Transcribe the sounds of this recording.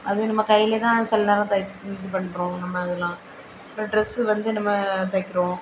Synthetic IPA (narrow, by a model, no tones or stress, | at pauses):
ɐðɯnɐmːɐkɐɪjɪlet̪ãːsɛlːɐnaːlãt̪ɐt̪ːɯpɐɳːɯpːɾõːnɐmːɐːðɐlãː | pɾɐɖɾɛsɯʋɐnd̪ɯnɐmːɐt̪ɐkːɪɾõː